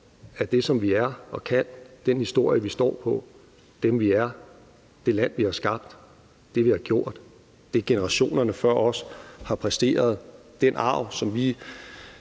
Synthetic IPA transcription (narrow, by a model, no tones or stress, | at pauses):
æɐd̥e̝sɒ̽mʋiæɐɒ̽kʰæn̰d̥enhisd̥o̝ɐ̰jəʋisd̥ɒ̰ːpʰɒ̽ | d̥emʋiæɐ | d̥e̝læn̰ʋihɑ̈sɡ̥ɑ̈b̥̚d̥ː | e̝ʋihɑ̈ɡ̥jo̝ɐ̰d̥ | d̥eɡ̥e̝nəʁɑ̈ɕo̝̰ːnɐnəfɶɐ̰ɒ̽shɑ̈pʰʁɛsd̥e̝̰ːɐð̞ˠ | d̥enʔɑ̰̈ʊ̰sɒ̽mʋi